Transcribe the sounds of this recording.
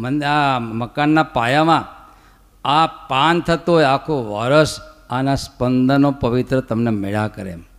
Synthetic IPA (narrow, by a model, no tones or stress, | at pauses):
mənd̪eaməkanːapajamã | apant̪ʰət̪uɦeakʰoʋaɾəsanaspənd̪ʱənopəʋit̪ɾət̪əmnemeɭakəɾḛm